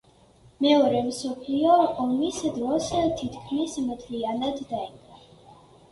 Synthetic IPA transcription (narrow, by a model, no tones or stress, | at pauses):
mɛɔɾɛmsɔpʰliɔɔmisd̪ɾɔst̪ʰit̪ʰkʰmismət̪ʰlianad̪ːaina